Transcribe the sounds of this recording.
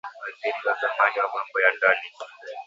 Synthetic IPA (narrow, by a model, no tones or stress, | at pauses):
waziɾiwazamaniwamambɔjandali